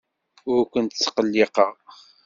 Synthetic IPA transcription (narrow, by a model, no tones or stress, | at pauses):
ʊɾkʷənt̪ət͡sːqəlːiqəʁ